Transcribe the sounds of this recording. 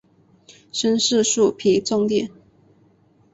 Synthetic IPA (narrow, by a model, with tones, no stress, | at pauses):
ʂə˥nʂɻ̩˥˧ʂu˥˩pʰi˨˧˥t͡sʊ˥˧ŋt̪jɛ˥˩n